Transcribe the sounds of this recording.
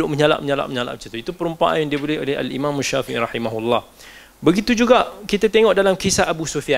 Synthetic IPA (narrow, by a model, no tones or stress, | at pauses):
ʊʔməɲala̰ʔməɲala̰ʔməɲala̰ʔbəsit̪uit̪upəɾumpaʔa̰njaŋdiəbolɛho̰lɛɦa̰lḭmãmaʃːafiʔḭɾɑħimaɦulːɑh | bəɡit̪ud͡ʒuɡaʔkit̪at̪eŋɔʔdalamkisaabusofia